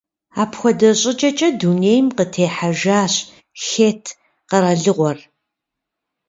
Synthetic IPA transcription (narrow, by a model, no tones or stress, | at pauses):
aːpxʷɔdɐɕʼɪt͡ʃʼɐt͡ʃʼɐduneːjmqətʰeːħaʒaːɕ | xeːtʰ | qɐɾɐɮɨʁʷɔr